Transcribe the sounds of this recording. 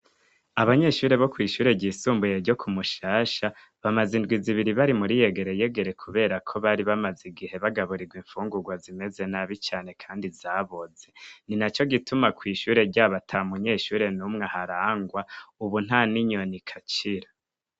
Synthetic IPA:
aβaɲe̞ːʃuːɾe̞βo̞kwiːʃuːɾe̞ɟiːsuːmbuje̞ɾɟo̞kʰumuʃaːʃa | βamazindɡwiziβiɾiβaɾimuɾije̞ɡe̞ɾeje̞ɡe̞ɾe̞kʰuβe̞ːɾakʰo̞βaːɾiβamaziɡihe̞βaɡaβuɾiɡwiɱfuːŋɡuɡwazime̞ze̞naβit͡ʃaːne̞kʰaːndizaːβoze̞ninat͡ʃo̞ɡitumakwiːʃuɾe̞ɾɟaːβatʰamuɲe̞ːʃuːɾe̞numŋehaɾaːŋɡwauβun̥haniɲo̞nikʰat͡ʃiɾa

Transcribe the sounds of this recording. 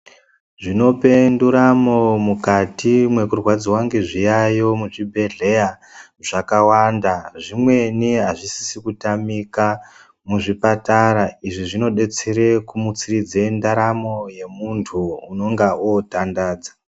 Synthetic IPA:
ʐino̞pe̞nduɾamo̞mukatimwe̞kurwad͡ziwaŋɡeʐijajo̞muʐibʱe̞ɮe̞ja | ʐakawandaʐimwe̞niɦaʐisi̥sikutamika | muʐipataɾaiʐiʐino̞ɗe̞t͡seɾe̞kumut͡sirid͡zendaɾamo̞je̞muntʰuːno̞ŋɡaotandaːd͡za

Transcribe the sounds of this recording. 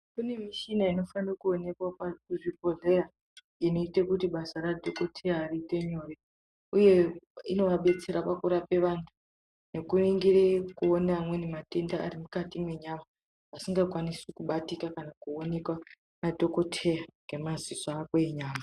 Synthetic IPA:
kune̞miʃinaino̞fanokuone̞kwapauʐipoɮe̞ra | ino̞itekutiɓasaradʱoko̞tʰejaːriːte̞ɲo̞ːre | uje̞ino̞ʋaɓe̞t͡se̞ɾapakuɾape̞ʋantʰu̥ | ne̞kuiŋɡirekuonamwe̞nemate̞nda̰ːrimukatimwe̞ɲama | asiŋɡakwanisikuɓatikakanakuo̞ne̞kwa | nadʱo̞ko̞tʰejaŋɡe̞mazizaːkweiɲaːma

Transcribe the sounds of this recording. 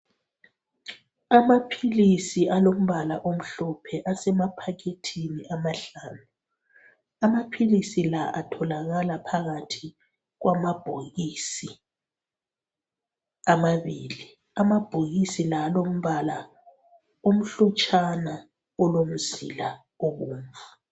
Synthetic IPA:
amapʰilisiʔalom̩βalaʔom̩ɬɔpʰɛʔasɛmapʰakʰetʰiniʔamaɬanu | amapʰilisilaʔatʰɔlaɣalapʰaɣatʰi | ɣwʔamab̥ʱoɣisi | amaβiːli | amab̥ʱoɣisilalom̩βala | om̩ɬɔt͡ʃʼana | ɔlom̩z̥ḭla | oβuːɱvu

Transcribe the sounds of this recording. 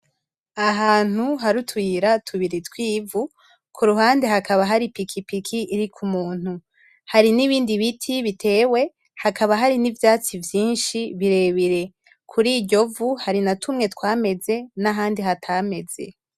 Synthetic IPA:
aɦaːn̥uɦaɾutwiɾatʰuβiɾitwiːvu | kʰuɾuɦaːnde̞ɦakʰaβaɦaɾipikʰipikʰiʔːɾikʰumuːn̥hu | haɾiniβiːndiβitʰiβitʰe̞ːwe̞ | hakaβaɦaɾinivjaːt͡sivjiːnʃiβiɾe̞βiɾe̞ | kʰuɾiːɟo̞vuhaɾinatʰumŋe̞twaːme̞ze̞naɦaːndiɦatʰame̞z̥e̞̰

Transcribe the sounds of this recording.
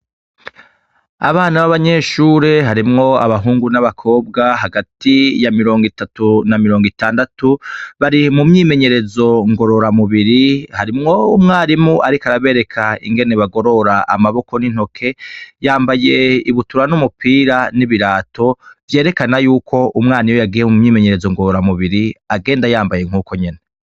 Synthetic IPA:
a̰βaːnaβaβaɲe̞ʃuːɾeɦaɾimŋo̞a̰βaɦuːŋɡunaβakʰo̞ːb̚ɡaɦaɡatijamiɾo̞ːŋɡitatunamiɾo̞ːŋɡitaːndatuβaɾimumɲiːme̞ɲe̞ɾe̞zo̞ŋɡo̞ɾo̞ɾamuβiɾihaɾimŋo̞umŋaːɾimuʔaɾikaɾaβe̞ːɾe̞kʰaḭŋɡe̞ne̞βaɡo̞ɾo̞ɾaʔa̰maβo̞ko̞nin̥ho̞kʰe̞jaːmbaje̞iβutuɾanumupʰiːɾaniβiɾaːtʰo̞vje̞ːɾe̞kanajuːkʰo̞ʔumŋaːnijo̞jaɡijemumɲiːme̞ɲe̞ɾe̞zoŋɡoɾoɾamuβiɾiaɡe̞ːndajaːmbaje̞ŋ̥uːko̞ɲe̞ne

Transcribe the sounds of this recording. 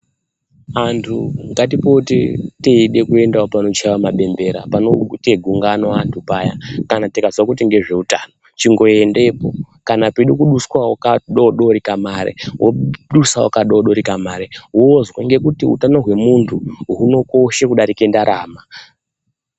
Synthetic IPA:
antʰuŋɡat̬ipotḭteiɗe̞kue̞ndaopano̞t͡ʃaʋamaɓe̞mbe̞ɾa̰panoteɡʱuŋɡanoantʰupaja̰kanatikazwakut̬iŋɡe̞ʐe̞utaːno̞t͡ʃiŋɡo̞e̞nde̞po | kanapeɗukuɗuskwawakaɗoɗo̞ɾikamaːɾḛɦwoɗusawakaɗaoɗo̞ɾikamaːɾeɦozwaŋɡe̞kutiṵtano̞ɦwe̞muntʰuɦuno̞ko̞ʃekuɗaɾike̞ndaɾʔaːma

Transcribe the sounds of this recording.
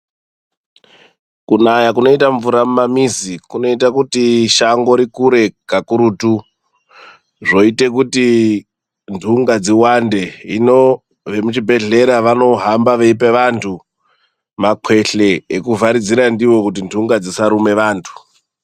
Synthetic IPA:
kunajakuno̞itaɱvuɾamumamizikuno̞itakutiʃaŋɡo̞ɾikuɾe̞kakuɾuːtu | ʐo̞ite̞k̬uti | ndʱuŋɡad͡ziwande̞ḭno | ʋe̞mut͡ʃibʱe̞ɮe̞ɾaʋano̞ɦambaʋe̞ipeʋantʰu | makʰwe̞ɬe̞ːkuvaɾid͡ziɾandiwo̞kutindʱuŋɡad͡zisaɾume̞ʋaːntʰu̥

